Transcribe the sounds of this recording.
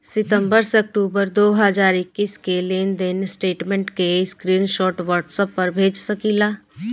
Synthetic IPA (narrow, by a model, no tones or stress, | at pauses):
sɪt̪ə̃mbəɾseɐk̚ʈuːbəɾd̪oːɦəd͡ʒaːɾɪkːiːskeleːnd̪ɪnsʈeːʈmẽɳʈkeɪskɾiːnʃɔːʈʋəɾʈsəpːɐɾbʱeːd͡ʒsəkiːlaː